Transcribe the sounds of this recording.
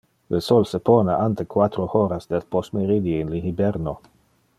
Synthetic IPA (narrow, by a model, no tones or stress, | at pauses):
lesolsepoːnaʔant̪ekwat̪ɾohoɾasd̪elposmeɾid̪iinlihibɛɾno